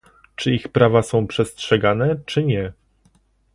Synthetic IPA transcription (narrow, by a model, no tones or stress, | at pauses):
t͡ʂɘixpɾavasɔ̃w̃pʂɛstʂɛɡanɛt͡ʂɘɲɛ